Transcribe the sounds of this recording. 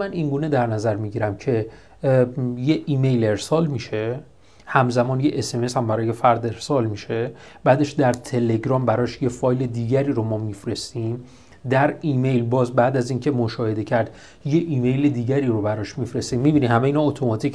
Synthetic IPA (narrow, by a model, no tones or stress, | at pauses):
mæniŋɡuːne̞d̪æɾnæzæɾmiɟiɾæmcʰe̞ | jeʔime̞jle̞ɾsɒːlmiʃe̞ | hæmzæmɒːnjeʔese̞meshæmbæɾɒːje̞fæɾd̪e̞ɾsɒːlmiʃe̞b̥æːd̪e̞ʃd̪æɾt̪ʰe̞le̞ɡɾɒːmbæɾɒːʃje̞fɒːjle̞d̪iːɟæɾiːɾomɒːmifɾe̞st̪iːm | d̪æɾiːme̞jlbɒːzbæːd̪æziːncʰe̞moʃɒːhe̞d̪e̞cʰæɾd̪ | je̞ʔiːme̞jled̪iːɟæɾiːɾobæɾɒːʃmifɾe̞st̪iːmːibiːnihæmejiːnɒot̪ʰo̞mɒt̪ʰic